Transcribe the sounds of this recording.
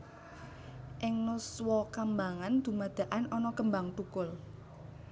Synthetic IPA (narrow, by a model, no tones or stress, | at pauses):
ʔɪŋnuswɔkambaŋand̪̥ṳmad̪̥ä̤ʔanɔnɔkəmbaŋt̪ukʊl